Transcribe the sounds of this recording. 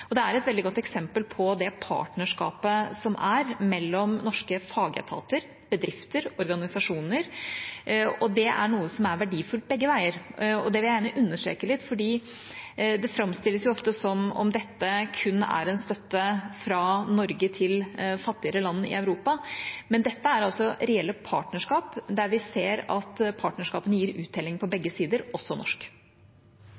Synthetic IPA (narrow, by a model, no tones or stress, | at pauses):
ɔd̪ɛæɾɛt̪ʋɛld̪ɪɡɔt̪ːɛksɛmpəlpʰɔd̪ɛpʰɑ̰ːʈɳəʂkɑ̰ːpəsɔmæɾmɛlːɔmnɔʂkəfɑːɡə̰t̪ʰɑ̰ːt̪əɾ | b̥əd̪ɾɪft̪əɾɔɾɡɑnɪsɑʂuːnəɾ | ɔd̪ɛæ̰ɳuːəsɔmæɾʋæɖiːfʉlt̪̚bɛɡːəʋæɪəɾɔ̰d̪ɛʋɪlæjæːɳəʔʉnːəʂʈɾḛːkəlɪt̪ːfɔɖiː | d̪ɛfɾɑmst̪ɪlːəsjʊɔft̪əsɔmɔ̰md̪ɛt̪ːəkʰʉnːæ̰ɾɛnst̪œt̪ːəfɾɑnɔɾɡət̪ʰɪlfɑt̪ːɪəɾəlɑnːɪ̰œʉɾuːpɑmɛnd̪ɛt̪ːəæɾɑlsɔɾɛɛlːəpʰɑ̰ːʈnəʂkɑːpd̪æɾʋɪseːɾɑt̪pʰɑːʈnəʂkɑ̰ːpənəjiːɾʉːt̪̚d̪ɛːlːɪŋpʰɔbɛɡːəsiːd̪əɾʔɔsːɔnɔ̰ʂk